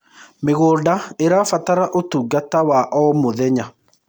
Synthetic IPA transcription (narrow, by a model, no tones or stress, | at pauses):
meɣoːdaeɾafataɾaʔotuːɡatawaʔɔmoðɛɲa